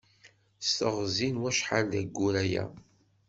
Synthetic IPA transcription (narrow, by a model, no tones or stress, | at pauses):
st̪əʁzinwæʃħalðæɡːuɾæjæ̰